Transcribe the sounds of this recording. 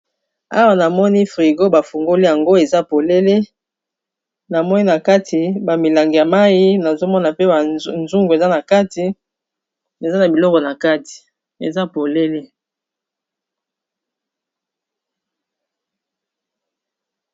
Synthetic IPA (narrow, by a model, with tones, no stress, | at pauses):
a̰˦wa˨na˨mɔ˦ni˦fʁi˨ɡo˦ba˨fu˨ŋɡo˦li˦ja˨ŋɡo˦e˨za˦po˨le˦le˦ | na˨mɔ˦ni˦na˨ka˦tʰi˨ba˨mi˨la˨ŋɡi˨ja˨ma˦ji˦na˨zo˦mɔ˦na˨pe˦ba˨nzu˦ŋɡo˨e˨za˦na˨ka˦ti˨ | e˨za˦na˨bi˨lɔ˦kɔ˨na˨ka˦ti̥˨ | ḛ˨za˦po˨le˦le˦